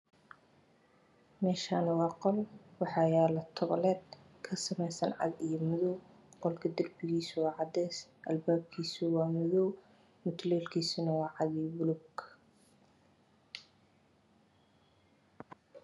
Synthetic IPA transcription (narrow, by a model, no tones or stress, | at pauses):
mɛːʃaːnɐwɑːqɔlwɑħɑːjaːlɐt̪ʰɔβɐlɛːd̪̚ | kʰɐsɐmɛjsɐnʕɑ̰dijɔmʊðɔw | qɔlkʰɐd̪ɐrbɪɣiːsʊwɑːʕɑd̪ɛːsʔɐlbaːb̚kʰiːsʊwɑːmɔðɔw | mʊt̪ʰlɛːlkʰiːsʊnɐwɑːʕɑðibʊlʊɡ